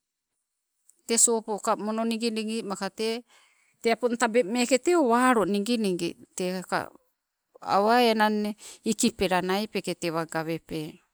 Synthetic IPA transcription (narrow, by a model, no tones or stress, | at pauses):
t̪esopokamononiŋɡiniŋɡimakate | teapont̪abemeketeoβaɾoniŋɡiniŋɡḭteka̰ | a̰waeenaneikipeɾanajpeketeβaɡaβepe